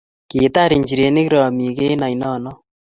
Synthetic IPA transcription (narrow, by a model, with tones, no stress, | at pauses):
ki˨ta˦ɾi˨ɲd͡ʒi˨ɾe˨˦ni˦ki˦ɾɔ˨mi˨ke˦na˨jnɔ˦˨nɔ˦